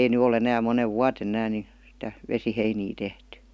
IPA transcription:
ei ny ol enæː moneʋ ʋuɑten ĕnæːn ni sĭtæ ʋesiheiniː tehty

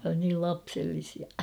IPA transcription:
niːl lɑpselːisiɑ

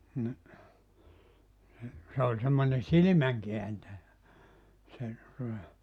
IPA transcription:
ni ni se olʲ semːonʲe silĭmæŋkeæntæjæ se tuŏtɑ

